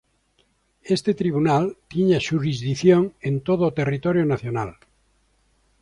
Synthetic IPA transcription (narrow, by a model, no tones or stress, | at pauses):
est̪et̪ɾiβ̞unalt̪iɲaʃuɾizðiθjoŋẽnt̪oðot̪erit̪oɾjonaθjona̰l